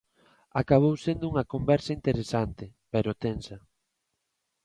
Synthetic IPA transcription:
akaβ̞owsend̪ʊuŋɐkombɛɾsɐint̪eɾesant̪ɪpeɾot̪ensɐ

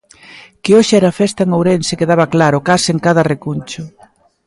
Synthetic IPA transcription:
kɪoʃɪɛɾaːfɛst̪ɐeŋowɾɛnsɪkeðaβɐklaɾʊkaseŋkaðɐrekunt͡ʃʊ

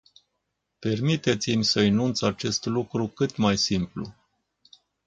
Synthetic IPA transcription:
pe̞rmit̪e̞t̪simʲsəinunt̪sat͡ʃe̞st̪lukɾukɨt̪majsimplṵ

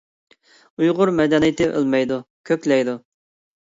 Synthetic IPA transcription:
ujʁʊɾmɛd̪ɛnijɪt̪ʰɪʔə̰lˠmɛjd̪ukʲʰøkʲlɛjd̪u

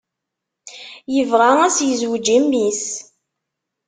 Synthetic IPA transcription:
jəvʁaæsjəzwd͡ʒimːis

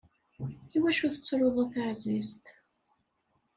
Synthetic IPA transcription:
iwæʃuθə̥t͡sːɾoðˤæθaʕzist̪

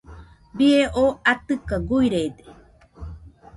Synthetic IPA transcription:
bieʔoat̪ɨkaɡujɾed̪e̥

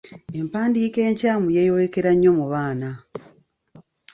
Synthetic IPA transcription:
e̞mpaːndiːke̞ːɲcaːmujejowekeɾaɲːo̞muβaːna

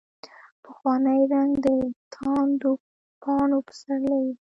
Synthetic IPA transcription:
pəxwɑnəjɾaŋd̪ət̪ʰɑnd̪o | pʰɑɳopə̥saɾlawi

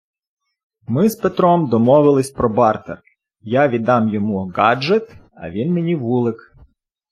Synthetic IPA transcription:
mɪzpet̪ɾɔmd̪ɔmɔʋɪlˠɪsʲpɾɔbɑrt̪er | jaʋʲid̪ɑmjɔmuɡɑd͡ʒɛt̪ | ɐ̰ʋʲinmenʲiʋulˠɪk

